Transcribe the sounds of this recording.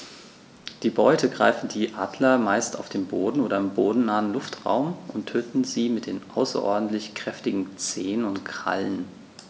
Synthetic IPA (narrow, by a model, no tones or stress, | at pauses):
d̥iːbɔʏtʰəɡʁa̰ɪfn̩diːʔaːdlɐmaɪstaʊfd̥eːnboːdn̩ʔoːɾɐɪmboːdn̩naːənlʊftʁa̰ʊmʔʊntʰøːtn̩ziːmɪt̚d̥eːnʔa̰ʊsɐ̰ʔɔ̰ɐdn̩tlɪçkʁ̥ɛftɪɡŋ̩t͡seːənʊntkʁ̥a̰lən